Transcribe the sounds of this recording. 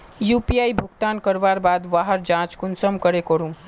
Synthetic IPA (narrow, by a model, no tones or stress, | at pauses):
juːpiaːibʱʊɡt̪aːnkəɾʋaːɾbaːd̪ʋaːɦəɾd͡ʒãːt͡ʃkʊnsəmkəɾekɔɾũ